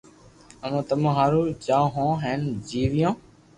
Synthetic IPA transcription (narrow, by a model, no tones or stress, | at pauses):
əmãːt̪əmãːɦaːɾuːd͡ʒaːɦõːɦeːnd͡ʒiːʋɪjõː